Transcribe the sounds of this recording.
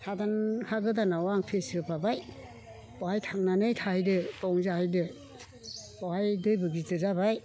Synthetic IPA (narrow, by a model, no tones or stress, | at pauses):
hadanhaɡɯdanawaŋpʰesɯpʰabaj | pɔhajtʰaŋnanɯjtʰahjdɯtɔŋzahajdɯ | pɔhajdɯjbɯɡitɯzabaj